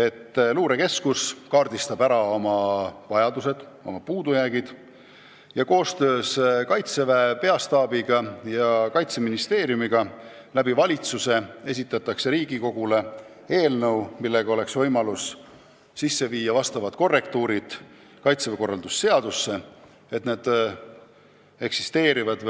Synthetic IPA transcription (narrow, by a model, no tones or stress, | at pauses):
e̞t̪ːluːɾe̞ke̞skuskɑːrd̪̥ist̪ɑb̥æɾɑo̞mɑvɑjɑd̪use̞d̪̥ | o̞̰mɑpuːd̪ujæːɡid̪̥ | jɑko̞ːst̪ø̞ːskɑjt̪se̞vepe̞ɑst̪ɑːbiɡ̥ɑjɑkɑjt̪se̞minist̪e̞ːɾjumiɡ̥ɑ | læbivɑlʲit̪suse̞e̞s̬ʲit̪ːˑɑt̪ːˑɑkse̞ɾiːɡiko̞ɡ̥ule̞ | e̞ːlnəwmilːe̞ɡ̥ɑo̞le̞ksvɤjmɑlusː | isːe̞viːjːɑvɑst̪ɑvɑt̪ko̞rːe̞kt̪uːɾid̪̥ | kɑjt̪seveko̞rːɑld̪usːe̞ɑd̪usːe̞ | e̞t̪ned̪̥ | e̞ksist̪e̞ːɾivɑd̪̥